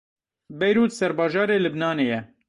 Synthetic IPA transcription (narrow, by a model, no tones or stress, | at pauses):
bɛjɾuːt̪sɛɾbɑːʒɑːɾeːlɨbnɑːneːjɛ